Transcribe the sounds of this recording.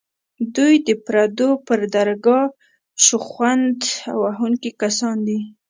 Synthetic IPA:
d̪ujd̪əpɾad̪opəɾd̪aɾɡɑ | ʃuxwand̪a̰waɦuŋkikasɑnd̪i

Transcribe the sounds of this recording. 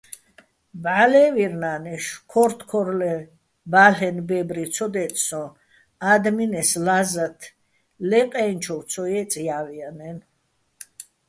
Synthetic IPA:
bʕalɛviɾnanɛʃkʰɔɾt̪ʰkʰɔɾlɛ | baɬɛnbɛbɾit̪sʰɔd̪ɛt̪ʼsɔ̃ | ad̪minɛslazat̪ʰ | lɛqʼɛnt͡ʃʰɔwt̪sʰɔjɛt͡s̪ʼijavianɛn

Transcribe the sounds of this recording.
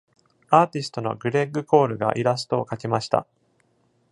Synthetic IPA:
aːt̪ʲisɨ̥t̪o̞no̞̰ɡɯ̟ɾe̞ɡɯ̟ko̞ːɾɯ̟ɡa̰ʔiɾas̬ɨ̥t̪o̞ːkakemaɕi̥t̪a̰

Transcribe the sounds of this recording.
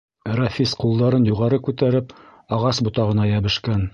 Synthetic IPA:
rɑfʲisqulˠd̪ɑɾɤnjuʁɑɾɤkʉt̪æɾɘp | ɑʁɑsbŭt̪ɑʁɤ̆nɑjæβɘ̆ʃkæn

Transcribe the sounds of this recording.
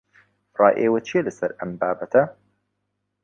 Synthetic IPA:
rɑːjʔeːwɐt͡ʃʰielɐsɐɾɐmbaːbɐt̪ʰɐ

